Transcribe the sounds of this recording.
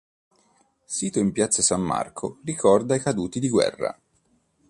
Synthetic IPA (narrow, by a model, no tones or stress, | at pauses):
siːt̪oimpjat̪sasamːa̰rkʰorikʰɔrd̪aikad̪uːt̪id̪iɡwɛ̰rːa̰